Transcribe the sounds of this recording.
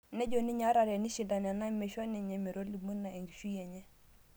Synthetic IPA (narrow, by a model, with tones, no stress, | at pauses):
nɛ˦ɟo˨ni˦ɲa˦ɾa˨ɾe˨ni˦ʃi˨da˨nɛ˨na˦mɛ˨ʃo˦ni˨ɲɛ˨mɛ˨ɾo˦ɾli˨mu˦nːa˨e˨ŋɡi˨ʃu˦jɛ˨ɲɛ˦